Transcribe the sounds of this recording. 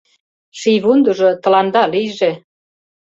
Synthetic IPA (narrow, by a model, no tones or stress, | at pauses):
ʃijβund̪uʒot̪ə̆lɑnd̪ɑlijʒe